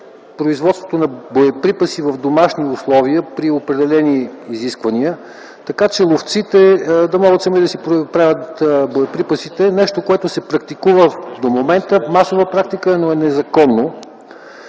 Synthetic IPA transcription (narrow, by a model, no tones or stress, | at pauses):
pɾoizvɔt̪st̪vot̪onɐbojɛpɾipəsivɐvd̪omaʃniʊslˠɔviəpɾiopɾɛd̪ɛlɛniːziskvəniə | t̪ɐkat͡ʃɛlˠoft̪sit̪ɛd̪ɐmɔɡət̪sɐmid̪ɐsipɾopɾavʲət̪boɛpɾipəsit̪ɛnɛʃt̪okoɛt̪osɛpɾɐk̚t̪ikuvəd̪omomɛnt̪əmasovəpɾak̚t̪ikəɛnoɛnɛzɐkɔnːo